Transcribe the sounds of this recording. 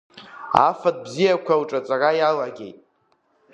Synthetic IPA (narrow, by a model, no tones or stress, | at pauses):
a̰fad̚bzijakʷʰawʈ͡ʂʼat͡sʼarajalaɡʲe̞̰jtʼ